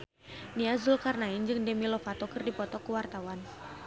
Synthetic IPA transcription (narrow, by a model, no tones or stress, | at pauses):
niazulkarnaɪnd͡ʒɨŋdəmilɔfat̪ɔkɨrdipɔt̪ɔkuwart̪awan